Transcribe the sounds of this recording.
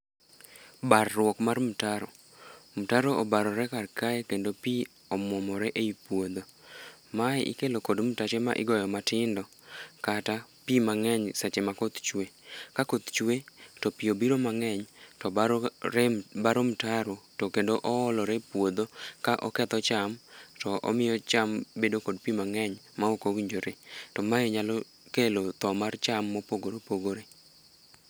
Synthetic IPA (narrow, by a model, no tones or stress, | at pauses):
barːwɔkmarmutaɾo | mtaɾoʔɔbaɾɔɾɛkarkaɛkendopi | ɔmɔmɔɾɛʔeipwod̪o | maɛʔḭkelokodm̩tat͡ʃema̰ʔɪ̰ɡɔjɔmatɪndɔ | katapimaŋɛɲsat͡ʃemakot̪t͡ʃwekakot̪t͡ʃwetɔpɪobiɾomaŋɛɲtɔ | baɾomtaɾotɔkendoʔɔɔlɔɾepwod̪okaʔɔkɛt̪ɔt͡ʃamtɔʔɔ̰mɪjɔt͡ʃambedokod̚pimaŋɛɲ | maokowiɲd͡ʒoɾetɔmaɛɲalɔ | kelot̪ɔmart͡ʃamːɔpoɡoɾopoɡoɾe